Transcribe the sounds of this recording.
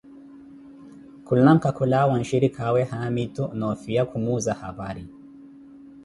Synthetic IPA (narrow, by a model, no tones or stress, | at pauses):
kulaŋ̩kakulawanʃiɾikʰawɛhamitunɔfijakumuzaha̰βaɾi